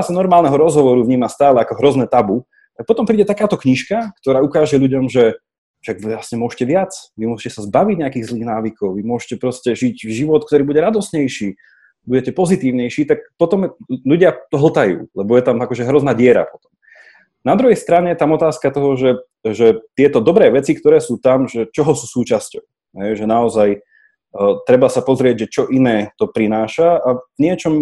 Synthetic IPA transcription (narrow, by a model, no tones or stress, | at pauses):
asanɔɾmaːlnɛɦɔɾɔzɦɔʋɔɾuvɲiːmast̪aːlɛakɔɦɾɔznɛt̪abu | t̪ak̚pɔt̪ɔmpɾiːɟɛt̪akaːt̪ɔkɲiʃkak̚t̪ɔɾaːukaːʒɛʎuɟɔmʒɛ | ʃaɡʋilasɲɛmʊɔʒcɛʋɪat͡sʋimʊɔʃcɛsazbaʋiɟɲɛakiːɣzliːɣnaːʋikɔʊʋimʊɔʃcɛpɾɔscɛʒiɟʒiʋɔt̪̚kt̪ɔɾiːbuɟɛɾad̪ɔst̪ɲɛjʃiː | buɟɛcɛpɔzit̪iːʊɲɛjʃiːt̪ak̚pɔt̪ɔmluɟɪat̪ɔɦl̩t̪ajṵːlɛbɔjɛt̪amakɔʒɛɦɾɔznaːɟɪɛɾa̰pɔt̪ɔ̥m | nad̪ɾuɦɛjst̪ɾaɲɛjɛt̪amɔt̪aːskat̪ɔɦɔʒɛ | ʒɛt̪ɪɛt̪ɔd̪ɔbɾɛːʋɛt͡sikt̪ɔɾɛːsuːt̪amʒɛt͡ʃɔɦɔsuːsuːt͡ʃascɔʊ | ɦɛjʒɛnaɔzaj | t̪ɾɛbasapɔzɾɪɛɟʒɛt͡ʃɔʔinɛːt̪ɔpɾinaːʃaavɲɪɛt͡ʃɔm